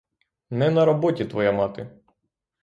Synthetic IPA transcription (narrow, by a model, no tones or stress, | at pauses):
nɛnɐɾɔbɔtʲit̪ʋɔjamɑt̪ɪ